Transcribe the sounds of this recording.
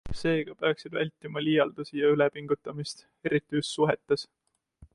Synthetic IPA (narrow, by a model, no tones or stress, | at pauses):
se̞ːɡ̥ɑpe̞ɑksid̪vælʲt̪ːˑimɑlijɑld̪̥usijɑylɛpiŋɡ̥ut̪ːˑɑmist̪ | e̞ɾit̪ːˑiyst̪suɦe̞t̪ːes